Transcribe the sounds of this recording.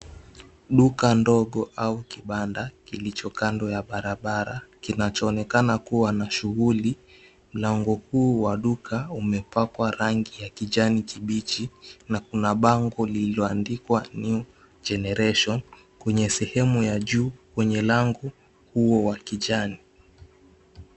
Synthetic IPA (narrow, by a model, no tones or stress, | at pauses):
ɗukandɔɠɔʔaukiɓandakilit͡ʃɔkandɔjaɓaɾaɓaɾa̰kinat͡ʃɔːnɛkanakuwanaʃuɣuli | m̩laŋɡɔhuːwaɗukaumɛpakwaɾaŋɡijakiʄanikiɓit͡ʃinakunaɓaŋɡɔliiɔandikwani | d͡ʒɛnɛɾɛʃɔn | kwɛɲɛsɛhɛmujaʄuːkwɛɲɛlaŋɡɔ | huɔwakiʄani